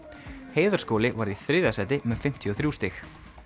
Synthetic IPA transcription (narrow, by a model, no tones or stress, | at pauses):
heːjðaɾ̥skɔːlɪvaɾiθɾɪːðasɛːt̪ɪmɛðfɪm̥t̪ʰjiɔθɾuːst̪ɪx